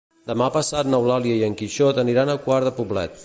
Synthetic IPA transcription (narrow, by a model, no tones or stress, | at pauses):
d̪əmapəsat̪nəwlaliəiəŋkiʃɔt̪əniɾanəkwaɾðəpuβlɛ̰t̪̚